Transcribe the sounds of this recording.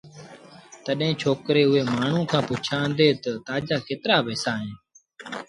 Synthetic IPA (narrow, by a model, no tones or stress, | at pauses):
t̪əɗɦẽːt͡ʃʰoːkɾeːʊeːmaːɳ̤ũːkʰãːpʊt͡ʃʰãːnd̪eːt̪ət̪aːd͡ʒaːkʰeːt̪ɾaːbɛːsaːɦẽː